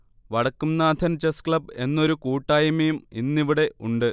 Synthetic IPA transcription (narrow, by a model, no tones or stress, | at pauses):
ʋɐɽɐkːumnaːd̪ʰʱɐnt͡ɕeskɭɐbe̞nːo̞ɾukuːʈːaːjɐmejuminːiʋiɽe̞ʔuɳɖɨ